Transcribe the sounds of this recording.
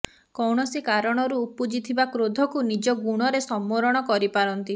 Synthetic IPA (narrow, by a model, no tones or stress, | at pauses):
kɔwɳɔsikaɾɔɽ̃ɔɾuːpud͡ʒit̪ʰibakɾod̪ʱɔkunid͡ʒɔɡuɽ̃ɔɾesɔmːoɾɔɽ̃ɔkɔɾipaɾɔnt̪i